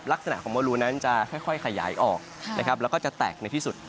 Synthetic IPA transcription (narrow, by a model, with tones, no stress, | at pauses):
pla˦˥k̚sa˧na˨˩ʔkʰɔː˩˦ŋmɔː˧luː˧na˦˥nt͡ɕa˨˩kʰɔ˥˩jkʰɔ˥˩jkʰa˧ja̰ː˩˦jʔɔː˨˩k̚na̰˦˥˩kʰa˦˥p̚lɛ˦˥wkɔ˥˩t͡ɕa˨˩t̪ɛ̰ː˨˩k̚na˧jt̪ʰiː˥˩su˨˩t̪̚